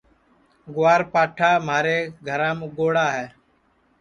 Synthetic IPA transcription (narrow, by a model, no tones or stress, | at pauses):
ɡʊwaːɾpaːʈʰaːm̤aːɾeːɡʱəɾãːmẽːɡoːɽaːɦɛː